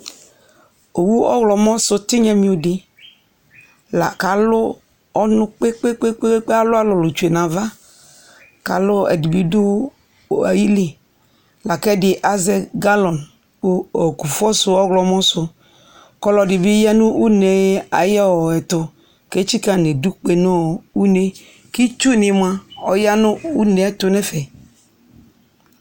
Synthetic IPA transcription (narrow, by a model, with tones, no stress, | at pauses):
o˨wu˦ɔ̰˦ɣlɔ˨mɔ̃˦sʊ˦t̪i˦ɲɛ˦mĩ˦ʊ˨dɪ˨ | la˨ka˨lʊ˦ | ɔ˦nʊ̃˦k͡pe˦k͡pe˦k͡pe˦k͡pe˦e˦k͡pe˦a˦lʊ˦a˦lɔ˨lʊ˨t͡ʃu˨e˨nã˨va˦ | ka˨lʊ˦ɛ̰˨di˨bi˦dʊ˦˨ | a̰˨ji˦li˨ | la˨kɛ˦dɪ˨ʔa˨zɛ˦ɡa˦lɔ˨n˦ | o˨ku˨fɔ˦sʊ˦ɔ˦ɡlɔ˦mɔ̃˦sʊ˦ | kɔ˦lɔ˨dɪ˨bɪ˦ja˦nʊ̃˦ʔu˦ne˨˦a˨jɔ˦wɔ˨ɛ˨t̪ʊ˨ | ke˦t͡ʃi˦ka˦nẽ˨du˦k͡pe˨nɔ̃˦u˦ne˦ | ki˦t͡ʃu˦˨nɪ˨m˨a˦ɔ̰˨ja˦nʊ̃˦u˦ne˨ɛ˦t̪ʊ˦nɛ˦fɛ˨